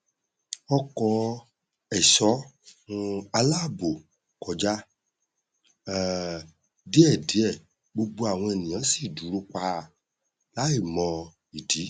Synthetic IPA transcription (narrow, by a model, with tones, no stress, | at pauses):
ɔ˧kɔ˧ | ɛ˨ʃɔ˨˦˧ | a˧la˦˨bo˨ | kɔ˨˦d͡ʒa˦˨ | di˦ɛ˦˨di˨˦ɛ˦˨ | ɡ͡bo˧ɡ͡bo˧a˨w̃ɔ̃˧ɛ˨nĩ˨ã˨˦si˦˨du˨˦ɾo˧k͡pa˧ | la˨˦e˦˨mɔ̃˧ | i˨di˨˦